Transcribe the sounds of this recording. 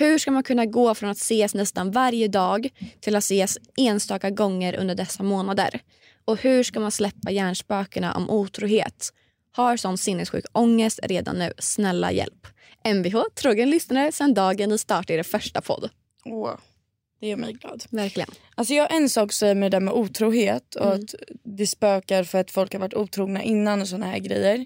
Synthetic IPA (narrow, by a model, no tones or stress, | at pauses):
hɵ̟ʂkamankʰɵnːaɡoːfɾɔnat̪seːsnɛst̪anvaɾjəd̪ɑːɡt̪ʰɪlat̪seːseːnst̪ɑːkaɡɔŋːəɾʔɵ̰nd̪əɖɛsːamoːnad̪ə̰ɾ | ɔhɵ̟ːʂkamanslɛpːajæːɳʂpøːkaɳa̰ʔɔ̰mʔuːt̪ʰɾuːheːt̪ | haɾsɔnt̪sɪnːəsɧʉ̟̰ːkɔŋːəst̪ɾeːd̪a̰nːʉ̟̰ːsnɛlːa̰jɛ̰lp | ɛnvɪɦoːt̪ʰɾoːɡənlʏsnaɾəsɛnd̪ɑːɡənvɪst̪ɑːʈaɖɛfœʂʈapʰɔ̰d̪ː | uː | d̪̥ɛjœːɾmɛ̰jɡlɑ̰ːd̪væɾklɪɡə̰nʔals̬ɔjɑːʔɛnsɑːksɛjːəɾmɛd̪æːɾmɛʔuːt̪ʰɾuːɦeːt̪ʰɔat̪d̪ɛspøːkaɾfœɾat̪fɔlkhaɾvaʈːuːt̪ʰɾuːɡnaʔɪnːanɔsɔnːahæ̰ːɾɡɾɛ̰jːəɾ